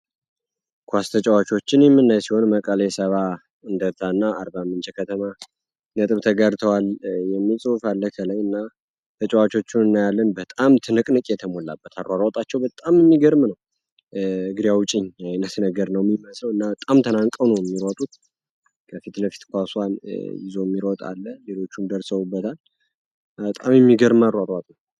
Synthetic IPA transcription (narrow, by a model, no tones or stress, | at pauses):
kʰʷast̪ʰət͡ʃʼəwat͡ʃo̞t͡ʃːɪnjɛmːɨnːajsiho̞nməkʼələsəβa | ɨnd̪əɾt̪ʰaɨnːaːɾbamːɨnt͡ʃʰɛkʰət̪ʰəma | nət̪ʼɨβt̪ʰəɡəɾt̪ʰəwaljɛmːisʼɨwufalːəkʰəlajɨnːa | t̪ʰət͡ʃʼɛwat͡ʃo̞t͡ʃːunɨnːajalːənbət̪ʼamt̪ʰɨnɨkʼnɨkʼjɛt̪ʰəmo̞lːa̰bːət̪ʰaɾaɾot̪ʼat͡ʃːɛwbət̪ʼamɨmːiɡəɾmnəw | ɨɡɨd̪ijawʊt͡ʃʼɪɲjajnːəsnəɡəɾnəwmiməsləwɨnːabət̪ʼamt̪ʰənaŋkʼəwnəwjɛmːiɾot̪ʼut̪ | kʰəfit̪ləfi̥t̪kʷaswanjɪzo̞ɛmːiɾot̪ʼa̰lːəlelo̞t͡ʃːumd̪əɾsəβubːət̪ʰal | ət̪ʼa̰mjɛmːiɡəɾmaɾaɾat̪ʼnəw